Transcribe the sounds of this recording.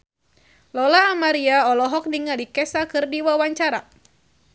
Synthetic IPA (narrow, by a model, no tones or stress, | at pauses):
lɔlaːmaɾiaɔlɔɦɔk̚niŋalikɛsakɨrdiwawaɲt͡ʃaɾa